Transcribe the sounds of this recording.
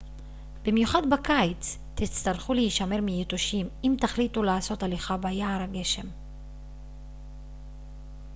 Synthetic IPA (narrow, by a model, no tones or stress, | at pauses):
b̥imjuχadbakajt͡s | tit͡st̪aʁχuleiʃame̞ʁmijet̪oʃimimt̪aχlit̪ulaːso̞taliχabajaːʁaɡe̞ʃe̞m